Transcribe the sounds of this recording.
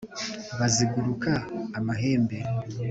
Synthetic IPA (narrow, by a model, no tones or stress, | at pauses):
βaziɡuɾukaːmaɦe̞ːmbe̞